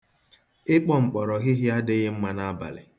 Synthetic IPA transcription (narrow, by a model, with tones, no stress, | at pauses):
ɪ˦k͡pɔ˦ŋ͡m̩˨k͡pɔ˨ɾɔ˨ɣɪ˦ɦɪ˦a˦dɪ˦ɣɪ˦m̩˦ma˦na˦ba̰˨lɪ̰˨